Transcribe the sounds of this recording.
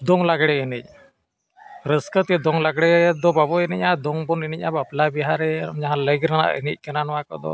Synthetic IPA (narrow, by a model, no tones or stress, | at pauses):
d̪ɔŋlaɡɽɛənic̚ | ɾəskət̪iɛd̪ɔŋlaɡɽɛd̪ɔbabɔɛnic̚ad̪ɔŋbɔnɛnic̚abaplabiɦaɾɛɔ̰md͡ʒaɦãləɡɾana̰ʔə̰nḭtc̚kənanɔwakɔ̰d̪ɔ̰